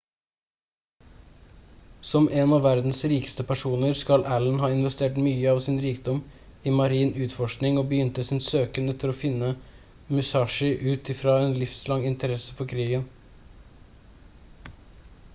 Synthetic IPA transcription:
sɔmʔeːnɑʋæɾd̪n̩sɾiːkə̥st̪əpʰæʂuːnəɾskɑlʔæːlənɦɑːɪnʋəst̪eːʈmyːəɑʋsɪnɾiːkd̪ɔm | ɪmɑɾiːnʉːt̪fɔʂknɪŋoːbəjʏnt̪əsɪnsøːkənɛt̪ːəɾoːfɪnːə | mʉsɑːʂɪʔʉːt̪ɪfɾɑːeːnlɪfslɑŋɪnt̪əɾɛsəfɔɾkʰɾiːɡən

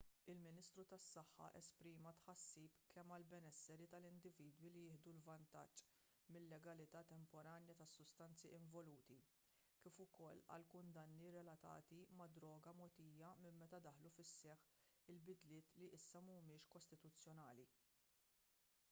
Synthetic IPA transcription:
ɪlmɪniːst̪ɾut̪ɐsːɐħːɐ̰ʔɛspɾiːmɐt̪ħɐsːiːpkʰɛmːɐlbɛnɛsːɛɾit̪ɐlɪnd̪ɪviːd̪wilijɪːhd̪ulvɐnt̪ɐ̰t͡ʃː | mɪlːɛɡɐlɪt̪ɐːt̪ɛmpɔɾɐːnjɐt̪ɐsːʊst̪ɐnt͡siɪɱvɔluːt̪i | kiːfʊkɔlːɐ̰lkʊnd̪ɐnːiɾɛlɐt̪ɐ̰ːt̪imɐd̪ɾɔːɡɐmɔt̪iːjɐmɪmːɛt̪ɐd̪ɐħlufɪsːɛħɪlbɪd̪lɪːt̪liʔɪsːɐmmɪːʃkɔst̪ɪt̪ʊt͡sːjɔnɐːli

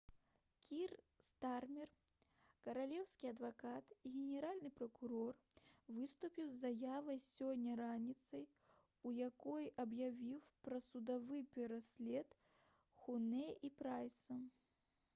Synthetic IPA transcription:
kʲir | st̪armʲɛr | kɐɾalʲɛwsʲkʲiɐd̪vakat̪iɣʲɛnʲɛɾalʲnɨpɾɐkuɾɔrvɨst̪upʲiwzːajavɐjsʲɔnʲːɐɾanʲit̪sɐj | ujakɔjɐbjavʲiwpɾɐsud̪avɨpʲɛɾasʲlʲɛt̪ | xunɛipɾajsɐ

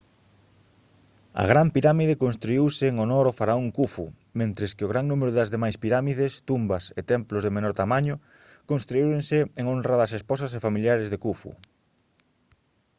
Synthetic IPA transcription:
ɐ̰ɣɾampiɾamiðekonst̪ɾuiwseːŋonɔɾofaɾaoŋkufṵ | mẽnt̪ɾeskɪoɣ̞ɾaŋnumeɾʊðɐzðemajspiɾamiðest̪umbɐset̪ɛmplozðemenɔɾt̪amaɲʊ | konst̪ɾuiɾeŋsɪeŋonrɐaðɐsesposɐs̬efamiljaɾezðekufṵ

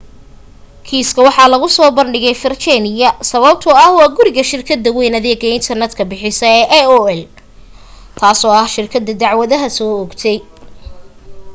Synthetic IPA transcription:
kʰiːskʰɐwɑħɑːlɐɣʊsɔːbɐnɖɪɣɛjfɪrt͡ʃʰɛnɪjɐsɐβɐb̚t̪ʰʊɐhwɑːɡʊɾɪɣɐʃɪrkʰɐd̪ːɐwɛjnɐðɛːɡɐɪnt̪ʰɐrnɛd̪kʰɐbɪħɪsɐɛːʔɛɔːɛl | t̪ʰaːsɔːɐhʃɪrkʰɐd̪ːɐd̪ɑʕwɐðɐɦɐsɔːɔɡt̪ʰɛj

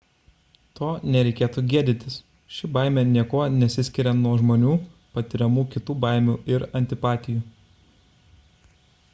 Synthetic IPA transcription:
t̪oːnʲɛɾʲɛɪkʲeːt̪uːɡʲiɛd̪ʲɪnʲt̪ʲɪs | ʃʲɪbɑˑɪmʲenʲiɛkoːnʲɛt̪sʲɪsʲkʲɪɾʲɛnuɔʒmoːnʲuːpɐt̪ʲɪɾʲɛmuːkʲɪt̪uːbɑɪmʲuːɪɾɐnʲt̪ʲɪpɑːt̪ʲɪjuː

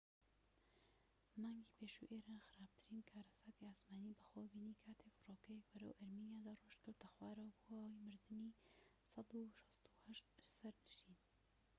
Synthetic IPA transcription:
mɑːŋɡʲiːpʰeːʃṵʔeːɾaːnxɨɾaːb̚t̪ʰɨɾiːnkʰaːɾɐsaːt̪iaːsmaːniːbɐxobiːnikʰaːt̪ʰefɨroːkɛjekbɐɾɐ̰wʔɐɾminjaːd̪aroʃt̪kɨɾt̪ɐxwaːɾɐwbuawɐjmɨɾd̪ɨni | sɑd̪uʃɑ̥st̪u̥hɐʃt̪sɐɾnɨʃiːn

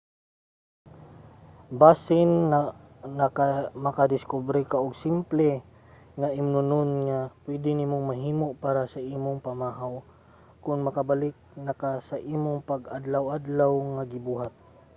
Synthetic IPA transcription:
baːsɪn | namakad̪ɪskubɾɪkaʔʊɡsɪmplɛ | ŋaʔɪmnʊnʊnŋapwɛd̪ɪnimoŋmaɦiːmoʔpaːɾasaʔiːmʊŋpamaːɦaw | kʊnmɐkabalɪk̚nakasaʔiːmʊŋpaɡad̪lawʔad̪lawŋaɡɪbuːɦat̪̚

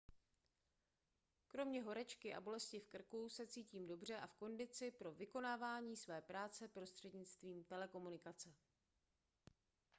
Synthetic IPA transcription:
kɾo̞mɲɛɦo̞ɾɛt͡ʃkɪʔa̰bo̞lɛscɪfkr̩kusɛt͡siːciːmdo̞br̝ɛʔafko̞ndɪt͡sɪpɾo̞vɪko̞naːvaːɲiːsvɛːpɾaːt͡sɛpɾo̞st̪r̝̥ɛdɲɪt͡st̪viːmt̪ɛlɛko̞munɪkat͡sɛ

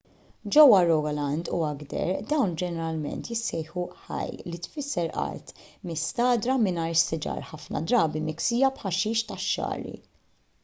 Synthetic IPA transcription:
d͡ʒɔwːɐɾɔɡlɐnd̪uɐɡd̪ɛ̰ɾd̪ɐwnd͡ʒɛnɛɾɐlmɛ̰nt̪jɪsːɛjħuħɐ̰jlit̪fɪsːɛɾʔɐ̰ɾt̪mɪst̪ɐːd̪ɾɐmɪnɐɾsɪd͡ʒɐ̰ːɾħɐfnɐ̰d̪ɾɐːbimɪksiːjɐpħɐʃiːʃt̪ɐʃːɐ̰ːɾḭ

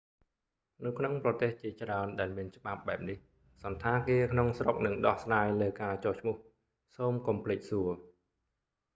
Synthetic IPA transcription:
nɨwkʰnoŋprɑt̪eːht͡ɕiət͡ɕraənɗaɛlmiənt͡ɕə̆ɓap̚ɓaɛp̚nih | sɑnt̪ʰaːkeːkʰnoŋsrok̚nɨŋɗɑhsraːjləːkaːt͡ɕɔːht͡ɕʰmʊ̆əh | soːmkumpʰlɨːc̚suə

